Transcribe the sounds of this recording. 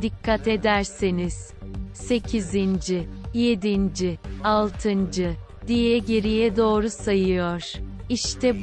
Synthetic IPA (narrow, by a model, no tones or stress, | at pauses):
d̪ikʰːat̪ʰe̞d̪æɾsiniz̥ | se̞cʰizind͡ʒije̞d̪ind͡ʒialˠt̪ʰɯnd͡ʒɯ | d̪ijɛɟe̞ɾijɛd̪o̞ːɾusajɯjoɾ̥iʃt̪ʰɛb